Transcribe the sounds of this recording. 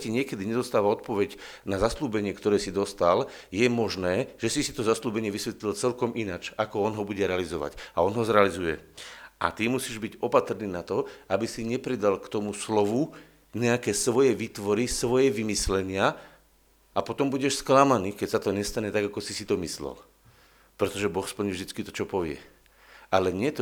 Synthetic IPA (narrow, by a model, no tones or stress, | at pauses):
ciɲɪɛkɛd̪iɲɛd̪ɔst̪aːʋaɔt̪̚pɔʋɛɟ | nazasluːbɛɲɪɛkt̪ɔɾɛːsid̪ɔst̪al | jɛmɔʒnɛːʒ̥ɛsisit̪ɔzasluːbɛɲɪɛʋisʋɛt̪lilt͡sɛlkɔmʔinat͡ʃakɔɔnɦɔbuɟɛɾɛalizɔʋa̰ɟaɔnɦɔzɾɛalizujɛ̰ʔa̰t̪imusiːʒbiɟɔpat̪r̩niːnat̪ɔabisiɲɛpɾid̪alkt̪ɔmuslɔʋu | ɲɛakɛːsʋɔjɛʋiːt̪ʋɔɾisʋɔjɛʋimislɛɲɪa | apɔt̪ɔmbuɟɛʃsklamaniːkɛcsat̪ɔɲɛst̪aɲɛt̪aɡakɔsisit̪ɔmislɛ̰l | pɾɛt̪ɔʒɛbɔxspl̩ɲivʒd̪it͡skit̪ɔt͡ʃɔpɔʋɪɛ̰ | alɛɲɪɛt̪